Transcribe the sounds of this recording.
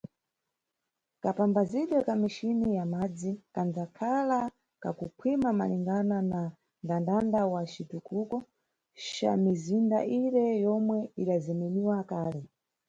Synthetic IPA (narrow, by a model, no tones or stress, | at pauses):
kapambaziɗɛkamiʃinijamad͡zikand͡zakʰala | ka̰kupʰwimama̰liŋɡanana | ndandandawat͡ʃitukukɔ | ʃa̰mizinda̰ʔiɾɛjɔmwɛikazɛmɛniwakaːlɛ